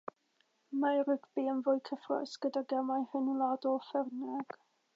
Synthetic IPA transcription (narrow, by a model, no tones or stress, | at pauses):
maɾɪɡʰbiənvʊjkʰəfrɔ̰sɡ̥ədaɡɛmajhənulˠadɔlˠfɛrnɛɡ̥